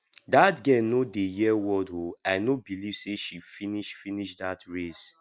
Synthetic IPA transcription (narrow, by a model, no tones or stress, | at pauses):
datɡɛ̃nodejɛwɔdɦoaɪnobiliv̥seʃifiniʃfiniʃdatɹes